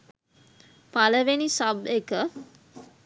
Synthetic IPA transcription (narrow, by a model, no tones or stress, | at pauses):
paləʋenisabekə